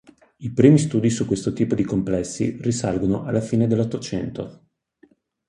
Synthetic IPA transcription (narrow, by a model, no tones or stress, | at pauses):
ipɾiːmist̪uːd̪isukːwest̪ot̪iːpod̪ikomplɛsːḭrisalɡonoʔalːafiːned̪elːot̪ːot͡ʃɛnt̪o